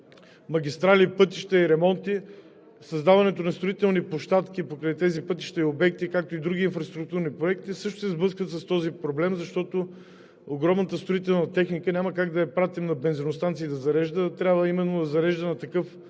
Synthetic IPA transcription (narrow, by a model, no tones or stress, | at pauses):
mɐɡʲist̪ɾalipɤt̪iʃt̪ɛiɾɛmɔnt̪i | sɐzd̪avɐnɛt̪onɐst̪ɾʊit̪ɛlˠnipoʃt̪at̪kipokɾɛjt̪ɛzipɤt̪i̥ʃt̪ɛiobɛkt̪ikak̚t̪oid̪ɾuɡʲiːnfɾɐst̪ɾuk̚t̪uɾnipɾoɛk̚t̪isɤʃt̪ʊ̥sɛzblˠɤskvət̪sɐst̪ɔzipɾoblɛmzɐʃt̪ɔt̪o | oɡɾɔmnət̪əst̪ɾoʊit̪ɛlˠnɐt̪ɛxnikənʲaməkaɡd̪ɐɛpɾat̪imnɐbɛnzɛnʊst̪ant̪sid̪ɐzɐɾɛʒd̪ət̪ɾʲabvəimɛnːod̪ɐzɐɾɛʒd̪ənɐt̪ɐkɤf